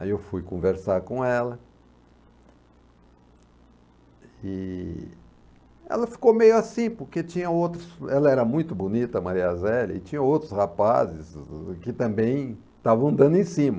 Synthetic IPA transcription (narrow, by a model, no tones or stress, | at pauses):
aiewfujkõveɾsaɾkõɛlɐ | ɪ | ɛ̰lɐfi̥komejʊasĩpoɾket͡ʃĩɲɐ̃owt̪ɾʊsɛlɐɛɾɐmũj̃t̪ʊbunit̪ɐmaɾiazɛlɐɪt͡ʃĩɲɐ̃owt̪ɾʊshapazɪskɪt̪ɐ̃mbẽj̃ | t̪avɐ̃nd̪ɐ̃nd̪ẽj̃sĩmɐ